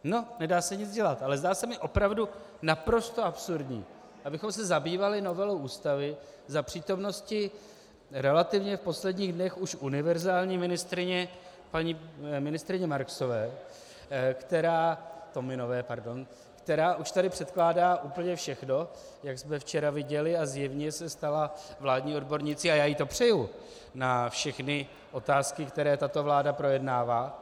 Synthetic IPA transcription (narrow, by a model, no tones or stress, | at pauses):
no̞nɛdaːsɛɲɪt͡sɟɛlat̪ʔalɛzdaːsɛmɪʔo̞pɾavdu | napɾo̞st̪o̞ʔapsuɾdɲḭː | ʔabɪxo̞ms̬ɛzabiːvalɪno̞vɛlowʔuːst̪avɪ | zapr̝̥iːt̪o̞mno̞scɪ | ɾɛlat̪ɪvɲɛfpo̞slɛdɲiːɣdnɛxuʃʔunɪvɛɾzaːlɲiːmɪnɪst̪ɾɪɲɛ | paɲiːmɪnɪst̪ɾɪɲɛmaɾkso̞vɛː | kt̪ɛɾaːt̪o̞mɪno̞vɛːpaɾdo̞n | kt̪ɛɾaːʔuʃt̪adɪpr̥ɛt̪klaːdaːʔuːpl̩ɲɛfʃɛxno̞ | jaɡsmɛft͡ʃɛɾavɪɟɛlɪazjɛvɲɛsɛst̪alavlaːdɲiːo̞dbo̞ɾɲɪt͡sɪajaːjit̪o̞pr̝̥ɛju | nafʃɛxnɪ | ʔo̞t̪aːskɪkt̪ɛɾɛːt̪at̪o̞vlaːdapɾo̞jɛdnaːvaː